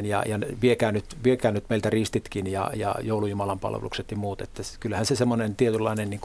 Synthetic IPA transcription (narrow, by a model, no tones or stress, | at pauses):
njɑ̰jɑnʋiekæːnnyt̪ʋiekæːnnyt̪meˑilt̪ærist̪it̪kinjɑ̰jɑ̰joulujumɑlɑmpɑ̰lʋḛlṵkset̪jɑmuːt̪ḛt̪ːæskylhænsesemːonent̪iet̪ylːɑinenniːŋku